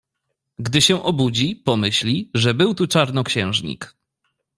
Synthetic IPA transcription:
ɡd̪ɘɕɛʔɔbud͡ʑipɔmɘɕlʲiʐɛbɘwt̪ut͡ʂaɾnɔkɕɛ̃w̃ʐɲḭk

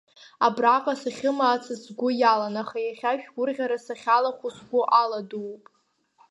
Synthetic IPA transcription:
abraqʼasaχʲɪmaːt͡sʰɨsɡʷʊjalanaχajaχʲaʃᶣɡʷʊrʁʲaɾasaχʲalaχʷʊsɡʷʊʔaladuːpʼ

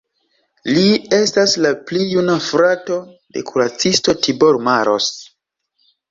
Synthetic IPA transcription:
lie̞staslaplijunafɾato̞ | de̞̰kʰuɾat͡sisto̞tibo̞ɾmaɾo̞̰s

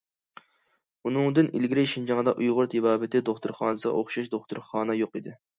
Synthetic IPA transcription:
unɨŋd̪ɨnʔilɡʲiɾɪʃind͡ʒɑŋəd̪ɑ̰ʔujʁʊɾt̪ʰɪbɑːbɪt̪ʰɪd̪oχt̪ʊɾχɑ̰ːnɨsəʁɑ̰ʔoχʃɑʃd̪oχt̪ʊɾχɑːnɨjoqid̪ɪ

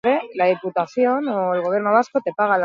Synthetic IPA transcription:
ɾe̞lað̞iput̪aθjo̞noelɣo̞βje̞ɾnoβ̞askot̪e̞paɣ̞al

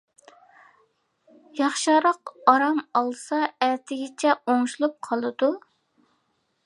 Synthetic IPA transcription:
jɑχʃɑɾɑqɑɾɑmɑlˠsɑæt̪ʰɪɡʲɪt͡ʃʰɛoŋʃulˠup̚qʰɑlˠɨd̪u

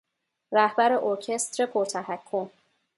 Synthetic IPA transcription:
ɾæhbæɾe̞ʔoɾcʰe̞st̪ɾe̞pʰoɾt̪ʰæɦækʰːom

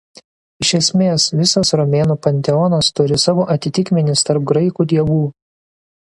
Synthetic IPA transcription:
ɪʃʲɛsʲmʲeːsʋʲɪsɐsɾɔmʲeːnuːpɐnʲt̪ʲɛɔnɐst̪ʊɾʲɪsɑːʋoːʔɐt̪ʲɪt̪ʲɪkʲmʲɪnʲɪst̪ɐɾp̚ɡɾɐɪkuːd̪ʲiɛʋuː

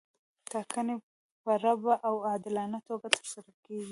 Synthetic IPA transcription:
t̪ɑkəne | pəɾabaʔawad̪ɪlɑnat̪oɡat̪ʰə̥ɾsaɾakeɡi

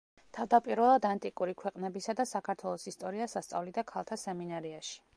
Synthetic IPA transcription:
t̪ʰavd̪apʼiɾvɛlˠad̪ant̪ʼikʼuɾikʰwɛqʼnɛbisad̪asakʰaɾt̪ʰwɛlˠɔsist̪ʼɔɾiasast̪sʼa̰vlid̪akʰalˠt̪ʰasɛminaɾiaʃi̥

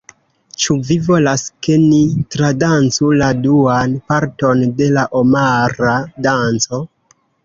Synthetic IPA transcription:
t͡ʃuvivo̞laske̞nitɾadant͡suladuanpaɾto̞nde̞laʔomaɾadant͡so̞

